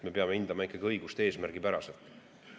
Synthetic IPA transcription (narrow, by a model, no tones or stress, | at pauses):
me̞peɑmeind̪ɑmɑikːˑɑɡ̥iɤ̞jɡ̥ust̪ee̞ːsmæɾɡ̥ipæɾɑselt̪ˑ